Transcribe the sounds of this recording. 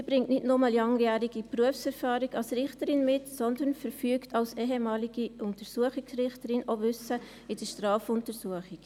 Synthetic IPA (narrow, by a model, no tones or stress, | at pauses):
sibɾɪŋtnɪdnʊmɑllɑŋjæːɾiɡipɾuəfsɛɾfɑːɾiɡɑlsɾɪχtəɾɪnmɪtsɔnd̪ənfəɾfyːktʰɑlsɛːɦɛmɑːliɡ̥iʔʊntəɾsuəχɪksɾɪχtəɾɪnovʏsə | ɪd̥əʃtɾɑːfʊntəsuəχɪk